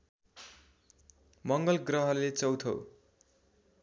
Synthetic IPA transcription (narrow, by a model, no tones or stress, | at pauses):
mʌŋɡʌlɡrʌɦʌlet͡sʌwt̪ʰʌ̰w